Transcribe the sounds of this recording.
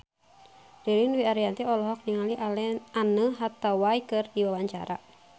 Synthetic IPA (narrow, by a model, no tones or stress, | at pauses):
rilinwiaɾiant̪iɔlɔɦɔk̚niŋalianəɦat̪awajkɨrdiwawaɲt͡ʃa̰ɾa̰